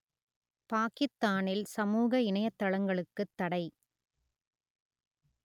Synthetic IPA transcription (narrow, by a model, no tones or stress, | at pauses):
paːkɪst̪ːaːnɪlsɐmuːɣɐɪɳɐjɐt̪ːɐɭɐŋɡɐɭɯkːɯt̪ːɐɽɐɪ